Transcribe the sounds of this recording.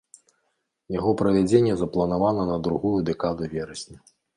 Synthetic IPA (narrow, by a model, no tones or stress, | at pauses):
jaɣɔpɾɐvʲad͡zʲenʲːɛzɐplˠɐnavanɐnɐd̪ɾuɣujud̪ɛkad̪uvʲɛɾɐsʲnʲɐ